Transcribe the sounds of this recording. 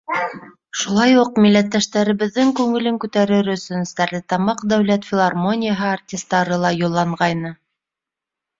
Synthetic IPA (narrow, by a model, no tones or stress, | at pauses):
ʃulˠɑjuq̚milːæt̪ːæʃt̪æɾɘ̆βɘ̆ðːɘŋkʉŋɘ̆lɘŋkʉt̪æɾɘɾɵ̆sɵnst̪æɾlʲɘt̪ɑmɑqd̪æwlæt̪fʲɪlˠarmonʲɪjaɦɤartʲɪst̪ːɑɾɤlˠɑjŏlˠːɑɴʁɑjnɤ